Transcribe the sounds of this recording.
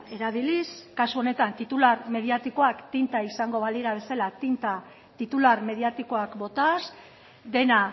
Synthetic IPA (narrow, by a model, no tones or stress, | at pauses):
e̞ɾaβiliskasuo̞ne̞t̪ant̪it̪ularme̞ðiat̪iko̞akt̪int̪aisaŋɡo̞βaliɾaβ̞e̞salat̪int̪a | t̪it̪ularme̞ð̞iat̪iko̞akbo̞t̪as | d̪e̞na